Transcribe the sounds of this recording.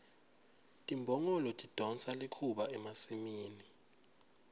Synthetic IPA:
tʼimbʱɔŋɔlɔtʼid̥ʱɔnt͡salikʰuɓaɛmasimiːni

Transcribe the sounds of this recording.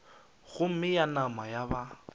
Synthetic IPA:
ɣʊm̩mɪjanamajaba

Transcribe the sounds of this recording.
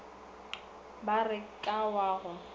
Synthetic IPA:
barɪkʼawaːɣʊ

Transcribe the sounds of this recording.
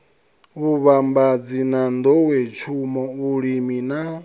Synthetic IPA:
βuβambad͡zinand̪ɔwɛt͡ʃʰumɔuɺimina

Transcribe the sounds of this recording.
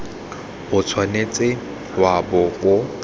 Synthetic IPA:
hʊt͡sʰwanet͡sʼɪ | wabɔʊ

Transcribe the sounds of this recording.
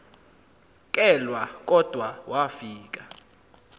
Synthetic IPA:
k̬ʼɛlwak̬ʼɔd̥ʱwawʔafiːk̬ʼa

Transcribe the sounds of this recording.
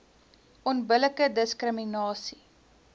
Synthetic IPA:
ʔɔnbələkədəskrəminɑːsi

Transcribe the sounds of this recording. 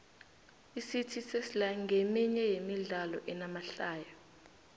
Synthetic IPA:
isitʰisesilaŋʱemiɲɛjemiɮalɔ̰ʔɛnamaɬaːjɔ

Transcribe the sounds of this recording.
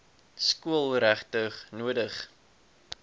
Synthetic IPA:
skuəlˠɾæχtəχnuədəχ

